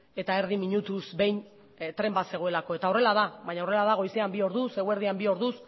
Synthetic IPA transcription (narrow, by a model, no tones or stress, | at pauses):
e̞t̪ae̞ɾðimiɲut̪usbe̞jn | t̪ɾe̞mbat̪se̞ɣo̞elako̞e̞t̪aore̞lað̞aβajɲao̞re̞laðaɣo̞jse̞ambio̞ɾðuse̞ɣue̞ɾð̞iambio̞ɾðus